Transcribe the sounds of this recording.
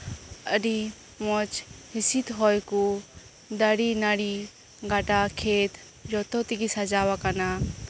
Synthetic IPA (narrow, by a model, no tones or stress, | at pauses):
əɾi | mɔt͡ʃɦɪsit̪ɦɔjku | d̪aɽinaɽi | ɡaʈakʰeːt̪ | ɾɔt̪ɔt̪iɡisad͡ʒaːʋakana